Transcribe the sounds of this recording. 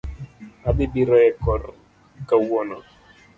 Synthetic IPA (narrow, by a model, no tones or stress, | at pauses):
abɪbiɾɔjɛkɔɾ | kawɔnɔ